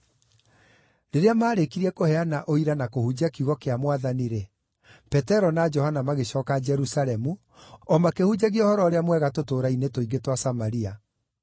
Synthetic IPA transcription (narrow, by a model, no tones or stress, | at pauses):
ɾeɾeamaːɾekiɾiɛkohɛanaʔoiɾanakohud͡ʑakiuɣɔkeamwaðaniɾɛ | pɛtɛɾɔnad͡ʒɔhanamaɣeɕɔːkad͡ʒɛɾusalɛmu | ɔmakehud͡ʑaɣeɔhɔɾɔːɾeamwɛɣatotoːɾainetoiɣɡetwasamaɾia